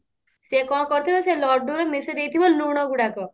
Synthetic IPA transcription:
sekɔ̃kɔɾit̪ʰibɔselɔɾɖuɾɔmised̪ejt̪ʰibɔluɽ̃ɔɡuɽakɔ

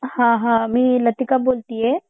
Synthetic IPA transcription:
hãɦãːmĩːlɐt̪ikaboːlt̪iɦɛː

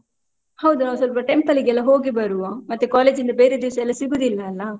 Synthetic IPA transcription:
hɐwd̪unaːʋus̬ʋɐlpɐʈempɐliɡɛlːɐɦo̞ːɡibɐɾuamɐt̪ːukaːle̞ːd͡ʒind̪ɐbeːɾed̪iʋɐsɐɛlːɐsiɡuːd̪ilːɐːlːɐ

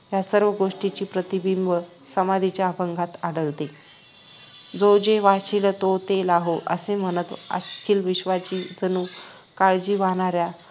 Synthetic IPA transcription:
jasəɾʋəɡoʂʈit͡ɕiːpɾət̪ibimʋə | səmad̪ʱit͡ɕjaːpəŋɡʱat̪aɽəɭt̪e | d͡zod͡ʑeʋaɕilt̪ot̪elaɦoʔəsem̤ənət̪ə̰kʰiːlʋiɕʋat͡ɕiːd͡zənuː | kaɭd͡ʑiːʋaɽ̃aɾja

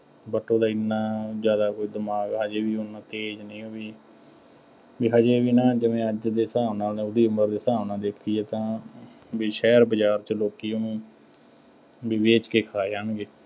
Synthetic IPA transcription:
bəʈõːd̪aːɪnːaːzjaːd̪aːkoːiːd̪əmaːɡəd͡ʒeːʋiːʊnːãːt̪eːd͡ʒnəĩːoːʋiː | biːɦad͡ʒeːʋiːnaːd͡ʒəʋẽːəd͡ʒd̪eːsaːʋnaːnẽːʊd̪iːʊməɾd̪eːsaːʋnãːd̪eːkʰːiːeːt̪ãː | biːʃɛːɾbəd͡ʒaːɾt͡ʃəloːkiːoũː | biːʋeːt͡ʃkeːkʰaːeːaːɳɡeː

